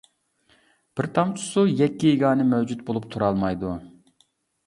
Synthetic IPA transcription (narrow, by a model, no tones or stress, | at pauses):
b̥ɪɾt̪ʰɑmt͡ʃʰu̥sujɛkʲːieɡɑːnɨmɛwd͡ʒut̪̚bolˠupt̪ʰuɾɑlˠmɑjd̪u